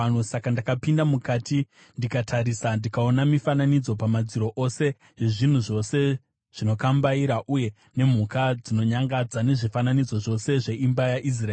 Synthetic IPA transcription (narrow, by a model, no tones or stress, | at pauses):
nusakandakapindamukaːti | ndikatʰaɾisandikao̞namifananid͡zo̞pamad͡ziɾo̞ʔose̞ | ɦeʐin̤uʐo̞se̞ | ʐ̥ino̞kambaiɾaʔuje̞ | ne̞m̤ukad͡zino̞ɲaŋɡad͡zane̞ʐifananid͡zo̞ʐo̞se̞ʐe̞ʔimbajaʔis̬raeː